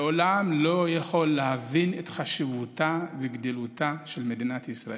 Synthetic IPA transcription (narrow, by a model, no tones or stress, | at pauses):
olamlo̞jaχo̞lːehavinet̪χaʃivutaveɡd̪ilut̪aʃelmed̪inat̪isʁa̰